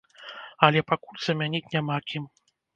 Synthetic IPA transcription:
ɐlʲɛpakulʲz̥ɐmʲanʲitʲnʲamakʲim

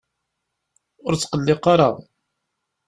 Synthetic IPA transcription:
ʊɾt͡sːqəlːɪqɑɾɑʁ

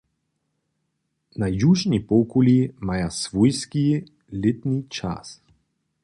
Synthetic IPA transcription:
najuʒnipɔkulʲimajasvɔjski | lʲɪt̪nit͡ʃa̰s

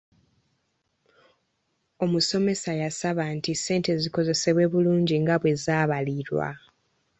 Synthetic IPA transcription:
o̞muso̞me̞sajasaβantise̞ːnte̞ziko̞ze̞se̞βwe̞ːβuluːɲɟiŋɡaβwe̞zaːβaliɾwa̰

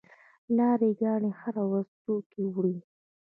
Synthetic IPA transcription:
lɑɾeɡɑɳehaɾawazt̪okewɽi

